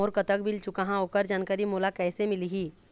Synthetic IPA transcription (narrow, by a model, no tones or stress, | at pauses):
oːɾkət̪əkbɪlt͡ʃʊkaɦãoːkəɾd͡ʒaːnkəɾimoːlakɛːsemɪliɦiː